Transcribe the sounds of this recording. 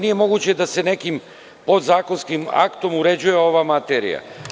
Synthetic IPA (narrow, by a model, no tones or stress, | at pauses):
nije̞mo̞ɡut͡ɕe̞d̪ase̞ne̞kim | po̞d̪zaːko̞nskima̰kt̪o̞muɾe̞d͡ʑujeo̞ʋamat̪eɾḭja̰